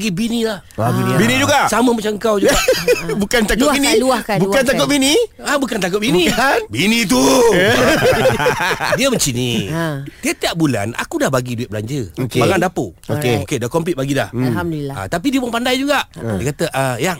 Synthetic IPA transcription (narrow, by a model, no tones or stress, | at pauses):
ɡibinĩlahinbinĩd͡ʒuɡaʔsamə̃mat͡ʃaəŋkawd͡ʒuɡbukant̪akʊbinĩluakabukant̪akʊt̪̚binĩ | abukant̪ak̬ʊt̪̚binĩanbinĩt̪̬u | diəbəɲt͡ʃinidiat̪iaʔ̚bula̰na̰kudahbaɡiduit̪̚bəla̰ɲd͡ʒəokebaŋandapo̰okeokedakɔmp̬it̪̚baɡida̰hlamdiaa̰t̪ap̬idiəbaŋpandajd͡ʒuɡaʔdiəkat̪əʔajaŋ